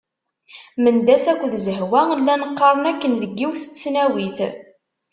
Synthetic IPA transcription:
mənd̪æsækʷːðzəɦwælːænəqːɑɾˤənækːənðəɡːiwθə̥t͡sːnæwiθ

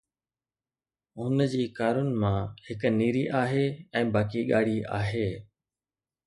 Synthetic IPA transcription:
ɦʊnəd͡ʑiːkaːɾʊnɪ̆mãːhɪkniːɾiʔaːɦeːɛ̃ːbaːkiɠaːɽ̤iʔa̰ːɦeː

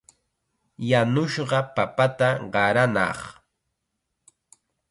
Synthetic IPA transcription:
janʊʃɢɑpapat̪aɢɑɾanɑ̰χ

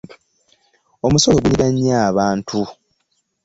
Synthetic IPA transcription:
o̞musoweβuiɾaɲːaːβaːntʰu

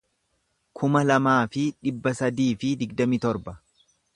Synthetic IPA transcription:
kʰʊmɐlɐmaːfɪᶑɪbːɐsɐd̪iːfɪd̪ɪɡd̪ɐmit̪ɔɾbɐ

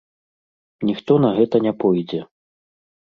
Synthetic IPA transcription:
nʲixt̪ɔnɐɣɛt̪ɐnʲapɔjd͡zʲɛ

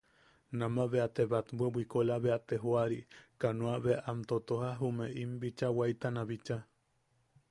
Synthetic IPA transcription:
namaβeat̪eβat̪bʷebʷikolaβeat̪eɦoaɾikanũaβeʔamt̪ot̪ohaɦumeʔimbit͡ʃawajt̪anaβit͡ʃa

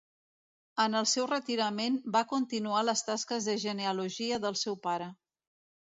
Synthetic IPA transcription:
ənəlˠsɛwrət̪iɾəmenbakunt̪inualəst̪askəzðəʒəneəluʒiəðəlˠsɛwpaɾə

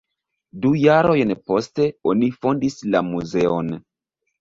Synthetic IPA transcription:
dujaɾo̞jnpo̞ste̞o̞nifo̞ndislamuze̞o̞n

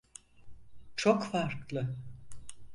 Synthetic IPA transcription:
t͡ʃʰokfaɾklˠɯ

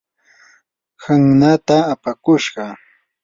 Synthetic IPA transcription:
haŋnat̪aːpakʊʃɢɑ

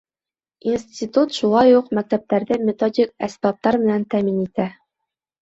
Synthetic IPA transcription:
insʲtʲit̪ut̪ʃulˠɑjuqmæk̚t̪æp̚t̪æɾðɘmʲet̪odʲik̚æsbɑp̚t̪ɑɾmɘ̆nænt̪æminit̪æ

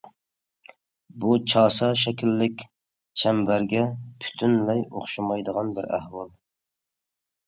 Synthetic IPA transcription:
but͡ʃʰɑːsɑʃɛkʲʰilːɪkʲ | t͡ʃʰɛmbæɾɡʲɛpʰy̥t̪ʰynlɛjoχʃɑmɑjd̪əʁɑnbɪɾæ̰hwɑlˠ

